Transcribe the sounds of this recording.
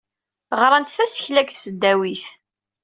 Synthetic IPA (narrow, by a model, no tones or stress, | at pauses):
ʁɾˤɑnt̪θæsə̥çlækθsəd̪ːæwiθ